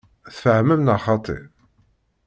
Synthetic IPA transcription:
θfəʕməmnɑχɑt̪ˤḛɾ

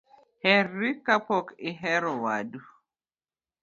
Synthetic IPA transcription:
hɛrikapɔkɪɦɛɾɔwa̰du

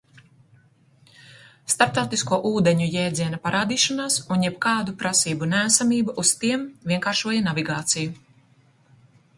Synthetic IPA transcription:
st̪aɾp̚t̪awt̪iskuɔʔuːd̪eɲujɛːd̪ziɛnapaɾaːd̪iːʃanaːsunjɛbkaːd̪upɾasiːbunæːsamiːbaʔust̪iɛmviɛŋkaːɾʃuɔjanaviɡaːt̪siju

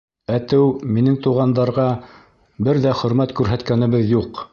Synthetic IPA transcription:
æt̪ɘwminɘŋt̪uʁɑnd̪ɑɾʁɑ | bɘɾðæχɵ̆ɾmæt̪kʉɾɦæt̪kænɘ̆βɘðjuq

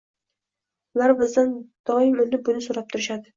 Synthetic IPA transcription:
ʊlaɾbɪzd̪and̪̥ɒɪmʊnɪbʊnɪsoɾap̚t̪ʰʊɾɪʃad̪ɪ

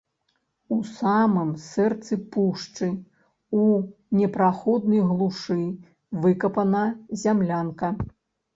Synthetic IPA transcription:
usamɨmsɛrt̪sɨpuʂt͡ʂɨ | unʲɛpɾaxɔd̪̚nɐjɣlˠuʂɨ | vɨkɐpɐnɐzʲamlʲankɐ

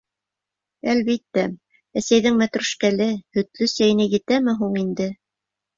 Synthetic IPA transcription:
ælβit̪ːæ | æsæjðɘŋmæt̪ɾʉʃkælɘhɵ̆t̪lɵsæjɘ̆næjɘ̆t̪æmɘɦuɴind̪ɘ

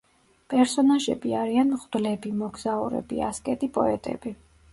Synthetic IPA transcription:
pʼɛɾsɔnaʒɛ̰biaɾianmʁd̪̥lɛbimɔɡzaṵɾɛ̰bḭa̰skʼɛt̪ʼipʼɔ̰ɛt̪ʼɛ̰bi

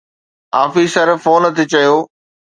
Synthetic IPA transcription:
a̰ːfiːsəɾfoːnət̪ʰiːt͡ɕɐjoː

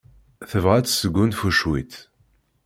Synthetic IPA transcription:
θəvʁæt͡sːsəɡːunfuʃwit̪

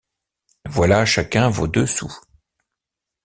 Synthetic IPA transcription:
vwalaʃakʲɛ̃vo̰d̪øsṵ

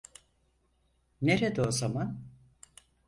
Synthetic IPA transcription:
neɾed̪oːzaman

